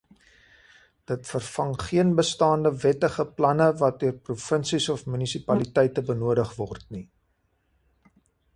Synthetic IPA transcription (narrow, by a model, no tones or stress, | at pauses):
d̥ətfərfɐŋχiənbəstɑːndəvɛtəχəplɐnəvɐt̚dyərprufənsisɔfmynisipɐlitɛjtəbənuədəχvɔrtni